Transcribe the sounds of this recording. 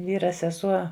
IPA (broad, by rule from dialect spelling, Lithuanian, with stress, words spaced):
ˈʋʲiːrɐ sʲɛˈsuɔ